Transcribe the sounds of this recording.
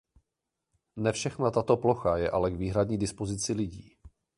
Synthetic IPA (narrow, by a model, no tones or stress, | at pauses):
nɛfʃɛxnat̪at̪o̞plo̞xajɛʔalɛɡviːɦɾadɲiːdɪspo̞zɪt͡sɪlɪɟiː